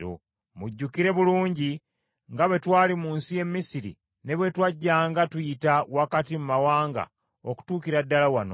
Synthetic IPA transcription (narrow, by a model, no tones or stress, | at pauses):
o̰ | muɟːukiɾe̞βuluːɲɟi | ŋɡaβwe̞twaːlimuːnsije̞mːisiɾḭ | ne̞βwe̞twaɟːaːŋɡatujitawakatimumawaːŋɡa̰ | oku̥tuːkiɾadːalawano̰